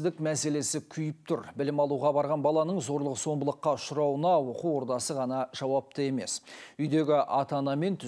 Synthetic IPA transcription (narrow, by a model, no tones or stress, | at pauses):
d̪ɪkmæse̞le̞sɪkʲʰʏjɪp̚t̪ʰʊɾbɪlɪmɑlˠuʁɑbɑɾʁɑnbɑlˠɑnəɴzo̞ɾlˠəqso̞mbəlˠəqːɑʊʃʊɾɑwənɑwo̞quwo̞ɾt̪ɑsəʁɑnɑʒ̥ɑwɑp̚t̪əe̞me̞sʏjd̪e̞ɡʲɪʔɑt̪ɑnɑme̞nt̪ʰʏ